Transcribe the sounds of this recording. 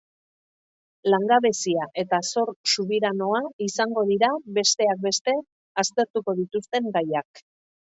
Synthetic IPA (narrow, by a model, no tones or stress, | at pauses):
laŋɡaβe̞siaʔe̞t̪aso̞ɾsuβiɾano̞aisaŋɡo̞ð̞iɾaβe̞st̪e̞ak̚be̞st̪e̞ | ast̪e̞ɾt̪uko̞ð̞it̪ust̪e̞ŋɡajak